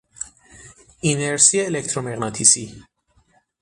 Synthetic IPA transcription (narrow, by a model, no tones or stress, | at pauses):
inɛɾsiɛɛlɛk̚t̪ʰɾɔmɛʁnat̪ʰisi